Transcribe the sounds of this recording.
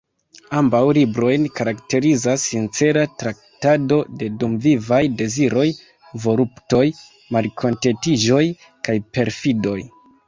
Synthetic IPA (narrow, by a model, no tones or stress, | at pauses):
ambawlibɾo̞jnkaɾakte̞ɾizasːint͡se̞ɾatɾak̚tado̞de̞dumvivajde̞ziɾo̞j | vo̞ɾupto̞j | malkʰo̞nte̞tiʒo̞j | kajpe̞ɾfido̞j